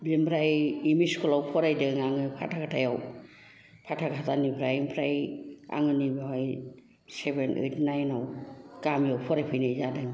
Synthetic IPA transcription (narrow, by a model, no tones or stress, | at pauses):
bimbɾajimiskʰɔlawpʰɔɾajdɯŋaŋɯpʰa̰tʰakʰatʰajaw | pʰatʰakʰatanipʰɾajimpʰɾaja̰ŋɯnibiɦɔj | sebenɯ̰jtnajnawkamjawpʰɔɾajpʰɯjnajzadɯŋ